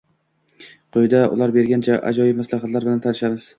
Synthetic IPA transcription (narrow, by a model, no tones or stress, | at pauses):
qʰojd̪aʔʊ̰lˠaɾbe̞ɾɡʲant͡ʃʰaʔa̰d͡ʒɒjɪmaslaɦat̪laɾbɪlant̪ʰanɪʃamɪz̥